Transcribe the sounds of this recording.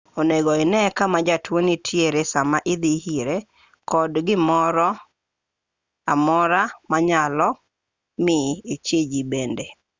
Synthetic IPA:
oneɡɔɪnɛkamad͡ʒatwonitʰjeɾesamaʔɪd̪ihiɾe | kɔdɡɪmɔɾɔ | amɔɾamaɲalɔ | mɪet͡ʃed͡ʒibende

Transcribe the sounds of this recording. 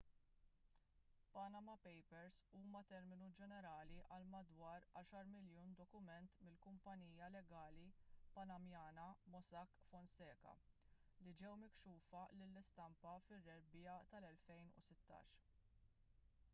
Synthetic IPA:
pɐnɐmɐpɛjpɛɾsuːmɐt̪ɛɾmɪnud͡ʒɛnɛɾɐːliʔɐlmɐd̪wɐːɾɐːʃɐɾmɪljuːnd̪ɔkʊmɛnt̪mɪlkʊmpɐniːjɐlɛɡɐːlipɐnɐmjɐːnɐmɔsɐkːfɔnsɛːkɐ̰ | lid͡ʒɛwmɪkʃuːfɐlɪlːɪst̪ɐmpɐfɪrːɛɾbjɐt̪ɐlɛlfɛjnʊ̰sɪt̪ːɐ̰ːʃ

